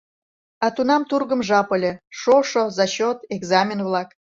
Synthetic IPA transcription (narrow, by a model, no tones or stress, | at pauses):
ɑt̪unɑmt̪urɣəmʒɑpəlʲeʃoʃozɑɕot̪eɡzɑmʲenvlɑk